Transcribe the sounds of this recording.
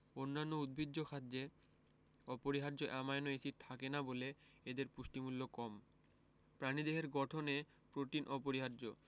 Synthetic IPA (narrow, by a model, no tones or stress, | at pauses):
onːanːoud̪̚bʱid̪ːokʰad̪d͡ʑe | ɔpoɾiɦaɾd͡ʑoʔɛmaenoesiɾt̪ʰakenabole | ed̪eɾpuʃʈimulːokɔm | pɾanid̪eɦeɾɡɔʈʰone | pɾoʈ̪inʔɔpoɾiɦaɾd͡ʑo